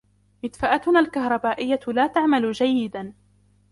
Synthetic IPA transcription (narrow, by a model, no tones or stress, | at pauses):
mɪd̪faʔat̪ʊnaːlkahɾˤɑbaːʔɪjːat̪laːt̪aʕmalʊd͡ʒajːɪd̪an